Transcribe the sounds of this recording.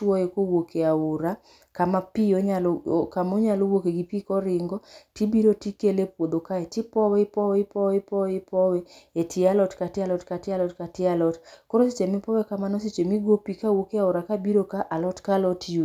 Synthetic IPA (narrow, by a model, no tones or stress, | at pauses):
twɔjekowokeaʊɾa | kamapioɲalokamoɲalowokeɡipikɔɾɪŋɡɔtibiɾotikelepwod̪okaetɪpɔwɛipɔwɛipɔwɪpɔwɛɪpɔwɛetʰɪalɔtkatɪalɔtkatɪalɔtkatɪalɔtkoɾoset͡ʃemɪpɔwɛkamanɔs̬et͡ʃemiɡopikawokeaʊɾakabiɾokaʔalɔtkalɔtiju